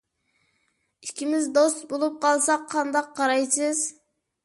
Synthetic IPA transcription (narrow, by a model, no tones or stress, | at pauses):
i̥kʲʰimɪzd̪ost̪bolˠup̚qʰɑlˠsɑqʰːɑnd̪ɑqʰːɑɾɑjsɨz